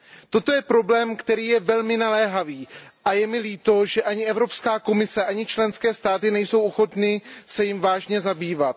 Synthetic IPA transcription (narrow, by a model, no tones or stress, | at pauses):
t̪o̞t̪o̞jɛpɾo̞blɛːmkt̪ɛɾiːjɛvɛlmɪnalɛːɦaviːʔajɛmɪliːt̪o̞ʒɛʔaɲɪʔɛvɾo̞pskaːko̞mɪsɛʔaɲɪt͡ʃlɛnskɛːst̪aːt̪ɪnɛjso̞wʔoxo̞t̪nɪsɛjɪmvaːʒɲɛzabiːvat̪